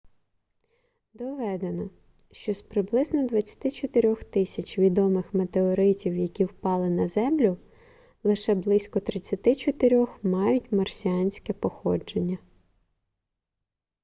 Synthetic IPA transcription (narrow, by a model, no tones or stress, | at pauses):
d̪ɔʋɛd̪e̞nɔ | ʃt͡ʃɔspɾɪblˠɪznɔd̪ʋɐt͡sʲːɐ̥t̪ɪt͡ʃɔt̪ɪɾʲɔxt̪ɪsʲɐt͡ʃʲʋʲid̪ɔmɪxmet̪eɔɾɪtʲiwjɐkʲiwpɑlˠɪnɐzɛmlʲʊ | lˠɪʃɛblˠɪsʲkɔt̪ɾɪt͡sʲːɐt̪ɪt͡ʃɔt̪ɪɾʲɔxmɑjʊtʲmɐrsʲiɑnʲsʲkɛpɔxɔd͡ʒe̞nʲːɐ